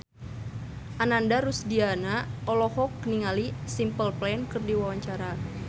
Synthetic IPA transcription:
ʔanandaɾusdianaʔɔlɔhɔkːniŋalisimpəlplankərdiwawaɲt͡ʃaɾa

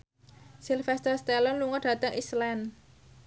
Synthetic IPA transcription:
silfɛst̪ɔrst̪ɛlɔnluŋɔɖ̥ä̤t̪əŋislɛn

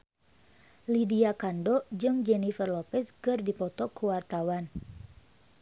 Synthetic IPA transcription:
lidiakandɔd͡ʒɨŋd͡ʒɛnifərlɔpɛskɨrdipɔt̪ɔkuwart̪awan

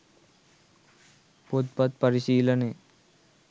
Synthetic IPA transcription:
pot̪̚pɐt̪̚pɐɾiɕiːlɐne

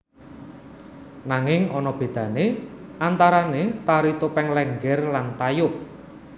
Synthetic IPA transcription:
naŋɪŋɔnɔb̥e̤d̪̥ä̤neʔant̪aɾanet̪aɾit̪opɛŋlɛŋɡɛrlant̪ajʊp̚

